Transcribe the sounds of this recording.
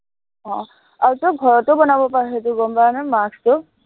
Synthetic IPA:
ɦɔ̃ | aɹutɔɡʱɔɹɔtɔbɔnabɔpaɹɦet̬ʊɡɔmbaɹnamakstɔ

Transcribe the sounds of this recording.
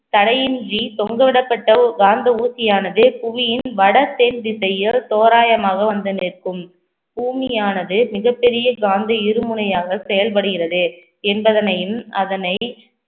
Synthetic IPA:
t̪ɐɽɐjɪndrit̪ɔŋɡɐʋɪɽɐpːɐʈːɐɡaːnd̪ɐuːsɪjaːnɐðɯpʊʋɪjɪnʋɐɽɐt̪ːeːndɪsɐjɪlt̪oːɾaːjɐmaːɣɐʋɐnd̪ɐnɪːrkɯm | buːmɪjaːnɐðɯmɪɣɐpːɛɾɪjɐɡaːnd̪ɐɪɾɯmʊɳɐjaːɣɐsɛjɐlp̬ɐɽɯɣɪrɐðɯ | ɛnbɐðɐnɐjɯmɐðɐnɐɪ

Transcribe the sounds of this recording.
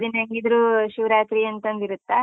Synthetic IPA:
d̪inɦɐŋɡid̪ɾuːʃiʋɾaːt̪ɾiɐnt̪ɐnd̪iɾut̪ːa

